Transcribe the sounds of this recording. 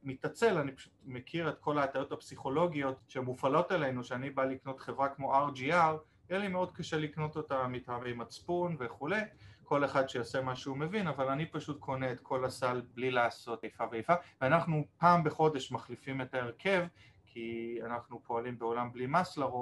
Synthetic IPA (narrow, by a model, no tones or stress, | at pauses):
mitat͡se̞lanipḁʃu̥tmekʰiʁe̞tkʰo̞laːtaʁotapsiχo̞lo̞ɡijo̞tʃemːufalotele̞nuʃeanibalikno̞tχe̞vʁakmo̞ʔaʁd͡ʒiaʁ | jelimeo̞dkaʃelikno̞to̞tamitamimat͡spunve̞χule̞jko̞le̞χadʃejose̞maʃuːme̞vinavalanipaʃut̚kʰo̞neetkʰo̞lasalblilaːso̞tejfaveejfaveanaχnupaːmbeχo̞de̞ʃmaχlifime̞taeʁkʰe̞v | kʰianaχnupʰo̞alimbeo̞lamblimaslaʁot